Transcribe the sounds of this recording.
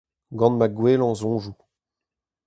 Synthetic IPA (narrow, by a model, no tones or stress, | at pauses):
ɡɑ̃nmaɡwelɑ̃zɔ̃ːʒu